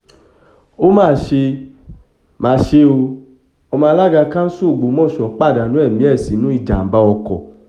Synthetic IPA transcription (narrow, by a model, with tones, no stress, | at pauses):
o˦mãː˦˨ʃe˧ | mãː˨˦ʃe˧o˧ | ɔ˧mãː˧la˦ɡa˧kã˦su˦˨ɡ͡bo˨˦mɔ̃˦˨ʃɔ˨˦k͡pa˦˨da˨nũ˨˦ɛ˦˨mĩ˦ɛ˦˨si˨˦nũ˦i˦˧˨d͡ʒa˨ba˧˦ɔ˧kɔ̰˨